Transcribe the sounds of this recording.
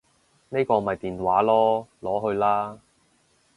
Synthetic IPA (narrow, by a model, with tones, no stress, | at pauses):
ne˥kɔː˧mɐ˨jt̪iː˨˩nwaː˨˥lɔː˥lɔː˨˥ɦɵ˧ɥlaː˥